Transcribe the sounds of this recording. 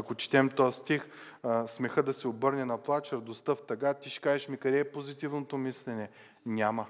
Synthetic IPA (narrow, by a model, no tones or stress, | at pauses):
ɐkot͡ʃi̥t̪ɛmt̪ɔjəst̪ixsmɛxɤd̪ɐsɛobɤɾnɛnɐplˠat͡ʃəɾd̪ost̪ɤft̪ɐɡat̪iʃkaɛʃmikɐɾɛːpozit̪ivnot̪omislɛnɛ | nʲamə